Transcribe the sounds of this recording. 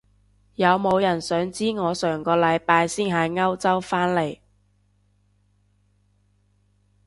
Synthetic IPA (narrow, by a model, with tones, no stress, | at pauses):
jɐ˨˧wmo˨˧wjɐ˨˩nsœː˨˥ŋt͡siː˥ŋɔː˨˧sœː˨˩ŋkɔː˧lɐ˨˧jpaː˧jsiː˥nɦaː˨˧ŋɐ˥wt͡sɐ˥wfaː˥nle˨˩j